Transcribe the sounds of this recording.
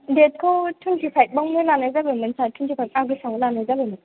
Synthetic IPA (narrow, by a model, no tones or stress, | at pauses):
det̚kʰowtʰuntʰipʰajk̚bawŋnɯlanajzabemɯnsatʰuntʰipʰajk̚aɡɯsaŋlanajzabemi